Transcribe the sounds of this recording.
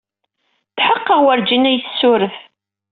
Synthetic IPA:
θħəqːəʁwəɾd͡ʒinæjθə̥sːʊɾəθ

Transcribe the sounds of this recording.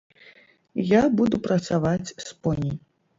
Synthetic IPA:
jabud̪upɾɐt̪savat͡sʲspɔnʲi

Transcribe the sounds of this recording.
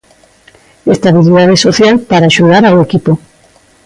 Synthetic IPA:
est̪aβiliðað̞esoθjalpaɾaːʃuðaɾaoekipo

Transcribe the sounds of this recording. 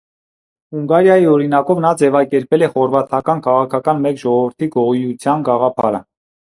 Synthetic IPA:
huŋɡɑɾjɑjiɔɾinɑkɔvnɑd͡zɛvɑkɛɾpɛlɛχɔɾvɑt̪ʰɑkɑnkʰɑʁɑkʰɑkɑnmɛkʒɔʁɔvəɾt̪ʰiɡɔʁujut͡sʰjɑnɡɑʁɑpʰɑ̰ɾə̰

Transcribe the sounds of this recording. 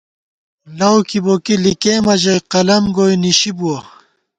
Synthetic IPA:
lɐwkʰibokilikeːmɐʑɐjqɐlɐmɡojniɕibuɐ

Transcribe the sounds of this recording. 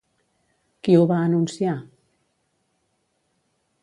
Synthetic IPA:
kiuβaənunsia

